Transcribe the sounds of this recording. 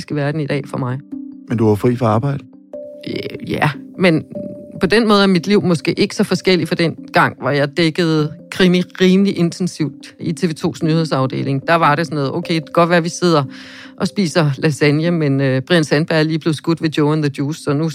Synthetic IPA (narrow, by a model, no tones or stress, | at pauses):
sɡ̥əʋæɐd̥n̩id̥ɛ̰ːfɒ̽mɑ̈ɪmend̥uafʁḭːfɒɑ̈ːb̥ɑ̈ɪd̥ə | jæmenpʰɒ̽d̥enmɔ̽ːð̞̩ˠæɐmid̥liʊ̰mɒ̽sɡ̥e̝̰ːʔe̝ɡ̥ə̥sɒ̽fɒ̽sɡ̥el̰ifɒ̽d̥en̰ɡ̥ɑ̈ŋ̰ʋɑjɑ̈ɪd̥eɡ̥əð̞̩ˠkʰʁimiʁiːmliʔe̝nt͡sʰensiʊd̥it͡sʰe̝ʋe̝ːt͡sʰo̝̰ːsnyhe̝ð̰ˠsɑ̈ʊd̥e̝̰ːle̝ŋd̥ɑ̈ʋɑ̈ɾesɒnɔːðˠʔoʊkʰeɪɡ̥ɒ̽d̥ʋæɐʋise̝ð̞̰ˠɐ | ʔɒ̽sb̥ḭːsɐlæsænjəmenøb̥ʁinsænb̥æɐ̰æɐliːb̥le̝ðˠsɡ̥ud̥ʋe̝d̥joʊænðəd̥juːsɒ̽nu